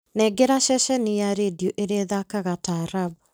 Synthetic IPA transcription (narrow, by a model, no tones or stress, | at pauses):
nɛɡeɾaʃɛʃɛnijaɾedioʔeɾeðakaɣataɾabu